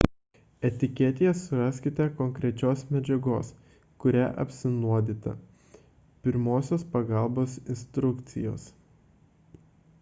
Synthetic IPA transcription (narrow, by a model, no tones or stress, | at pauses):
ɛt̪ʲɪkʲɛt̪ʲɪjɛsʊɾɑsʲkʲɪt̪ʲɛkɔŋʲkɾʲɛt͡ʃʲoːsmʲɛd͡ʒʲɛɡoːs | kʊɾʲæ̰ʔɐ̰pʲsʲɪnuɔd̪ʲit̪ɐ̰ | pʲɪɾmoːsʲoːspɐɡɑˑlˠboːsɪnst̪ɾʊkt̪sʲɪ̰jo̰ːs